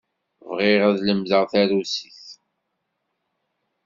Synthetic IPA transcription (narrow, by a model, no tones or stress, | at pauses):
vʁɪʁæðləmðəʁθæɾusiθ